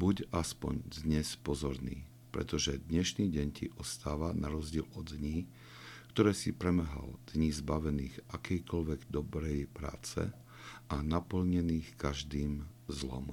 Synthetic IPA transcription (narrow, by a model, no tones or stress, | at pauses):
buɟaspɔ̰ɲd̪ɲɛspɔzɔɾnḭː | pɾɛ̰t̪ɔʒɛd̪ɲɛʃniːɟɛɲcʰḭʔɔst̪aːʋanʔaɾɔzɟɪɛlɔd̪ɲiː | kt̪ɔɾɛːsipɾɛm̩ɦa̰ld̪̥ɲizbaʋɛniːɣʔakʰɛjkɔʎʋɛɡd̪ɔbɾɛjpɾa̰ːt͡sɛ̰ | ʔanapl̩ɲɛniːxkaʒd̪iːmzlɔ̰m